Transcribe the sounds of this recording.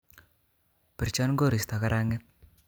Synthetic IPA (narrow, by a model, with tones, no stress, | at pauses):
pɪ˨ɾt͡ʃa˦nɡo˦˨ɾi˨st̪a˨ka˦ɾa˦ŋɪ˦t̪̚